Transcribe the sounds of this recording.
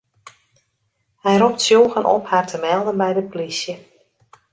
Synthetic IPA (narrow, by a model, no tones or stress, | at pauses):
hɛjrɔp̚tsjoːɣənʔɔ̰phartʰəmɛlˠdənbɛjdəplisjə